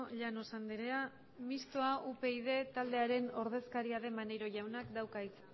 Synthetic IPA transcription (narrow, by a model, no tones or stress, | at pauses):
ʎano̞sand̪iɾea | mist̪oaʔupe̞ið̞e̞t̪ald̪e̞aɾe̞no̞ɾðe̞skaɾiaðe̞manejɾo̞ʝawnakd̪awkais